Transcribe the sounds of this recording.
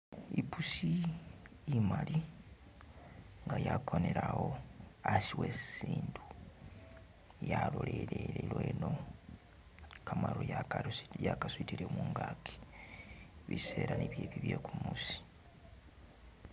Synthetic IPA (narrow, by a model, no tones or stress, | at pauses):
ipusi | imali | ŋɡajakʰo̞neɾaho̞asiwessiːndu | jaloleleɾelweno̞ | kʰamalojjakaswitiɾemuːŋɡakʰi̥ | βise̞ːɾaniβjeːβiβjekumusi̥